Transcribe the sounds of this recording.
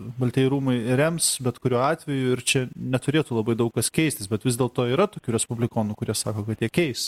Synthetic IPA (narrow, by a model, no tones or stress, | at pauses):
bɐlʲt̪ʲɛɪɾuːmɐɪɾʲɛmsbʲɛt̪kʊɾʲuːɑːt̪ʲʋʲɛjuɪɾt͡ʃʲɛnʲɛt̪ʊɾʲeːt̪uːlˠɐbɐɪd̪ɐʊkkɐskʲɛɪsʲt̪ʲɪsbʲɛt̪ʋʲɪzdʲeːlˠt̪oːiːɾɐt̪oːkʲuːɾʲɛspʊblʲɪkoːnukʊɾʲiɛsɑːkoːkɐt̪jʲiɛkʲɛɪs